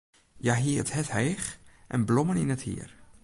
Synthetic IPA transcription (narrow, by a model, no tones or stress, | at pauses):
jaɦiəəthɛthɛjχʔɛ̰nblɔməninəthḭər